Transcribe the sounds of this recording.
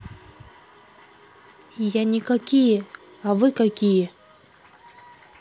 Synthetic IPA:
ijanʲɪkakʲijə | avɨkakʲijə

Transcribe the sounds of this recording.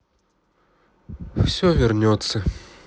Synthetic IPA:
wsʲɔvʲɛrnʲɔt̪sːɐ

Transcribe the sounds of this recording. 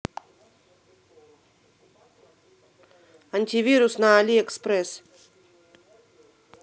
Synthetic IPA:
ant̪ʰiviɾusnaːliekspɾes

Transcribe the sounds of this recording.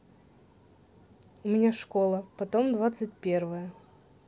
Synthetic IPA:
ʊmʲɪnʲaʂko̞lˠəpɐt̪omd̪vat̪sɨt̚ʲpʲervəjə

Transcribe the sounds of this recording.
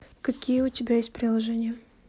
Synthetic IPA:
kɐkʲijəʊtʲɪbʲajesʲt̚ʲpɾʲɪlˠɐʐɛnʲɪjə

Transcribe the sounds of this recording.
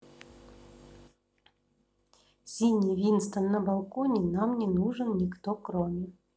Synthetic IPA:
sʲinʲijvʲinst̪ənːəbalˠkonʲɪnamnʲɪnuʐɨnnʲɪkt̪okɾomʲɪ

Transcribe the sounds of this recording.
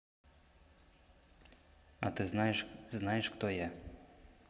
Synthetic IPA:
ɐ̰t̪ɪznɑjɛʃznajɛʃxt̪ɔjɛ

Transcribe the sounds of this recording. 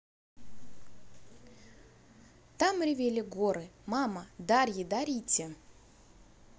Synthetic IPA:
t̪amɾʲɪvʲelʲɪɡoɾɨmaməd̪aɾʲjɪd̪aɾʲitʲɪ

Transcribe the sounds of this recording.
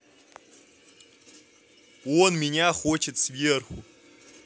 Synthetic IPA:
onminʲaχot͡ʃʰett͡svʲirxʷu

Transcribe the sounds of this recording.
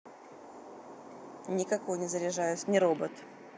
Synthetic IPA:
nʲɪkɐkojnʲɪzəɾʲɪʐajʊsʲnʲɪɾobət̪

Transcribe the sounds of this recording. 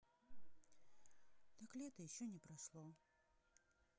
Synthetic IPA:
t̪aklʲɪɛt̪əjɪɕːonʲɪpɾɐʂlˠo

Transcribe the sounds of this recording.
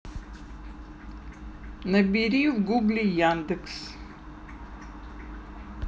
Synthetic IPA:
nɐbʲiːɾʲiːjuɡuɡlʲijand̪ɨks

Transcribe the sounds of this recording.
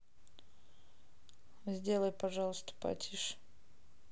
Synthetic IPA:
zʲdʲelˠəjpɐʐɑlˠəst̪ə̥pa̰tʲiʂ

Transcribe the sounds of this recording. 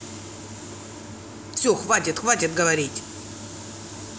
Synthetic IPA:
fsʲɵxvatʲɪt̪xvatʲɪt̪̚ɡəvɐɾʲitʲ

